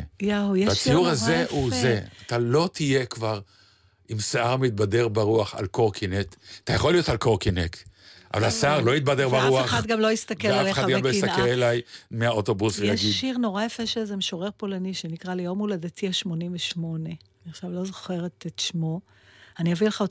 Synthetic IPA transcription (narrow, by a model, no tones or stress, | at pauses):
jawjɛat͡sijuʁazeʔuzeat̪alo̞t̪ʰije̞kvaʁ | imsaaʁmit̪̚bade̞ʁbaʁuaχa̰lkoʁkʰinetat̪ajaχolijo̞talkoʁkinekʔa̰valasaʁlo̞jit̪̚badeʁbaʁuaχat̪̚ɡamlo̞jist̪akelaleχaɡalojist̪akelelajmeaot̪o̞busʁjeaʃɡiiʁno̞ʁajefeʃezemeʃoʁeʁpolaniʃenikʁalejomuladatiaʃmo̞nimveʃmo̞ne̞ | aniaχʃavlo̞zoχe̞ʁet̪etʃmo̞ | aniavileχao